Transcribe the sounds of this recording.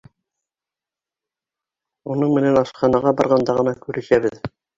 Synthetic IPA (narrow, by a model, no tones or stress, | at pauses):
unɤɴmɘ̆nænɑʃqɑnɑʁɑbɑɾʁɑnd̪ɑʁɤ̆nɑkʉɾʔɘ̆ʃæβɘð